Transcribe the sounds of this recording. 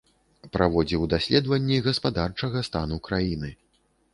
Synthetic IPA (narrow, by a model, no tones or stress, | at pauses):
pɾavɔd͡zʲiwd̪asʲlʲɛd̪vɐnʲːiɣɐspad̪art͡ʂɐɣɐst̪anukɾajinɨ